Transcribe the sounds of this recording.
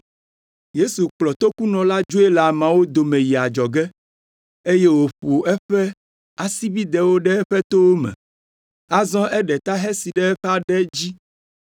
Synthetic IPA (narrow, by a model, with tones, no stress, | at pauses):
je˦su˨k͡plɔ˨t̪o˦ku˦nɔ̃˨la˦d͡ʒo˦e˦la˨mã˨wo˦d̪o˨mɛ̃˨ji˨a˨d͡ʒɔ˨ɡɛ˦ | e˦je˦wo˨ɸu˨ɛ˦ɸɛ˦ | a˨si˦bi˦d̪ɛ˨wo˦ɖɛ˦ɛ˦ɸɛ˦t̪o˦wo˦mɛ̰̃˨ | a˦zɔ̃˦ʔɛ˦ɖɛ˨t̪a˦ɦɛ˦si˨ɖɛ˦ɛ˦ɸɛ˦a˦ɖɛ˦d͡ʑi˦